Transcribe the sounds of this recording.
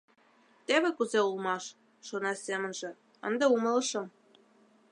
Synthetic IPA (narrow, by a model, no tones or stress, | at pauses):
t̪eβĕkuzeulmɑʃ | ʃonɑsemə̆nʒĕ | ə̰nd̪eumələ̆ʃɤ̆m